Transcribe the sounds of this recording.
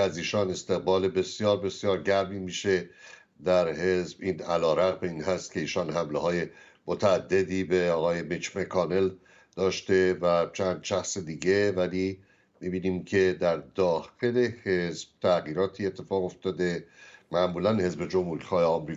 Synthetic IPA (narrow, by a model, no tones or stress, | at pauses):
æziːʃɒːne̞st̪e̞ɣbɒːle̞be̞sijɒːɾbe̞sjɒːɾɟæɾmiːmiːʃe̞ | d̪æɾɦezbiːnælɒːɾæɣmeiːnhæst̪cʰʲe̞iːʃɒːnɦæmleɦɒːje̞ | mot̪ʰæːd̪ːe̞d̪iːbe̞ɒːɣɒːje̞mit͡ʃmekʰɒːne̞l | d̪̥ɒːʃt̪e̞væt͡ʃʰænd̪̥ʃæxsed̪iːɟe̞væliː | mibiːniːmcʰe̞d̪æɾd̪ɒːxe̞le̞hezb̥̚t̪ʰæɣiːɾɒːt̪ʰiːe̞t̪ʰːe̞fɒːɣo̞ft̪ɒːd̪e̞mæʔmuːlænhe̞zbe̞d͡ʒo̞mhuɾixɒːheɒmɾiː